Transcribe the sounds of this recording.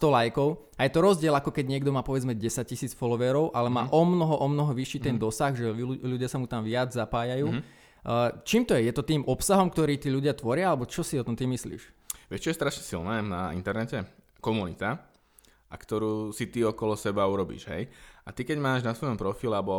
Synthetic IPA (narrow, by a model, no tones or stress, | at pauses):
st̪ɔlajkɔʊ | ajɛt̪ɔɾɔzɟɪɛlakɔkɛɟɲɪɛɡd̪ɔmaːpɔʋɛd͡zmɛɟɛsac̚cisiːt͡sfɔlɔʋɛːɾɔʊʔalɛmaːʔɔmnɔɦɔʔɔmnɔɦɔʋiʃiːt̪ɛnd̪ɔsaɣʒɛʎuɟɪasamut̪amʋɪad͡zzapaːjajuː | t͡ʃiːmt̪ɔjɛjɛt̪ɔt̪iːmʔɔpsaɦɔmkt̪ɔɾiːt̪iːʎuɟɪat̪ʋɔɾɪaalɛbɔt͡ʃɔsiɔt̪ɔmt̪imislḭːʃʋɛʃt͡ʃɔjɛst̪ɾaʃɲɛsḭlnɛːnaḭnt̪ɛɾnɛcɛ | kɔmunit̪a | akt̪ɔɾuːsit̪iɔkɔlɔsɛbauɾɔbḭʒɦɛ̰jat̪ikɛɟmaːʒnasʋɔjɔmpɾɔfilɛabɔ